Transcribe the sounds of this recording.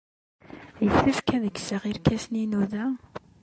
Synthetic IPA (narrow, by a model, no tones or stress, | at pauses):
jəfθæfkæðəɡsəʁiɾkæsninuðæ